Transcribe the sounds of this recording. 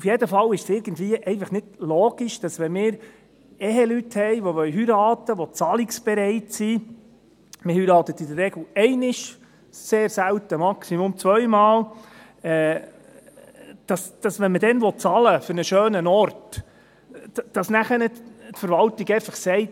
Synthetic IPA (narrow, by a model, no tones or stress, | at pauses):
ufjɛdəfɑlɪʃsɪɾɡ̥ən̩dviːəʔɛɪnfɑχnɪd̥loːɡ̥iʃd̥ɑsʋɛnmɪːɾ | ɛɦɛlythɛɪʋoʋœɥɦyɾɑːt̪əʋɔt͡sɑliksb̥ɛɾɛɪtsi | məhyɾɑːt̪ət̪idərɾɛɡl̩ʊɛɪnɪʃ | seːɾsælt̪əmɑksimʊmt͡sʋœɥmɑːl | ɛː | d̥ɑsd̥ɑsʋɛnmədɛnʋɔt̚t͡sɑləfɵɾnəʃøːnənɔɾt | d̥ɑsnæχənɪttfəɾʋɑlt̪iɡɛɪfɑχsɛɪt